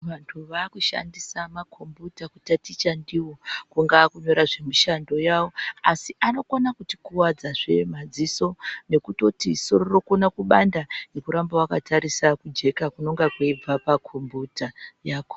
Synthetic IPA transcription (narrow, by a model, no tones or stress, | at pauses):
ʋantʰuʋaːkuʃa̰ndisamakʰo̞mbutakutatit͡ʃandiwo̞kuŋɡaːkuɲo̞ɾaʐe̞miʃando̞jawo̞asiʔano̞konakuti̥kuwad͡zaʐe̞mad͡ziso̞ne̞kuto̞tiso̞ɾo̞ro̞konakuɓandanekuɾambawakataɾisakud͡ʒe̞kakuno̞ŋɡakweib͡vapakʰombutajaːko